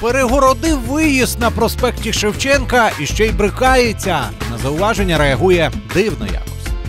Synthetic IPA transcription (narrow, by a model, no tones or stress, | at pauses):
peɾeɦɔɾɔd̪ɪwʋɪjist̪nɐpɾɔspɛktʲiʃewt͡ʃɛnkɐiʃt͡ʃɔjbɾɪxɑjet͡sʲːɐ | nɐzɐʊʋɑʒe̞nʲːɐɾeɐɦujɛ | d̪ɪwnɔ̰ja̰kɔsʲ